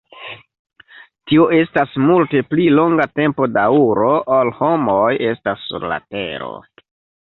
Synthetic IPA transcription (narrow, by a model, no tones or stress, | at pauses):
tio̞e̞stasmulte̞plilo̞ŋɡate̞mpo̞dauɾo̞ʔolho̞moje̞stasːṵɾla̰te̞̰ɾo̞̰